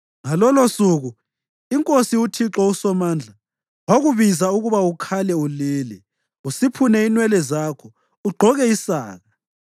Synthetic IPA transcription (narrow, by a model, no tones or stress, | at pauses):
ŋalɔlosuɣu | iŋkʼosiutʰiǁɔusɔmaːnd͡ɮʱa | waɣuβizauɣuβaukʰalɛuliːlɛ | usipʰunɛinwɛlɛzaːkʰɔ | uɡ͡ǃʱɔɣɛisa̰ːɣa